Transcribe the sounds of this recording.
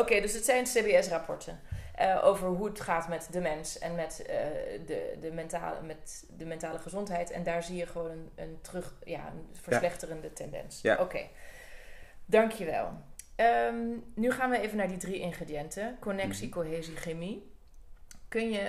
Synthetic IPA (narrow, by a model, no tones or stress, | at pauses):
okejdɵsətsɛjnseːbeɛsrapʰɔ̰ɹtʰənʔəʔo̰wvəɹɦuətχaːtmɛtdəmɛnsɛ̰nmɛtə̰də̰dəmɛnta̰ːmɛt | dəmɛntaːləχəzɔntɦɛjtɛ̰ndaːɹzijəχəʋownənəntrɵχja̰ːə̰nv̥əɹslɛχtərəndətʰɛndɛ̰nsokḛj | dɑŋkʰjəʋɛ̰lˠəmnyχaːnʋəejvənaːɹdidriʔɪŋχrediɛntəkonɛksikoɦeːziχemi | kɵnjə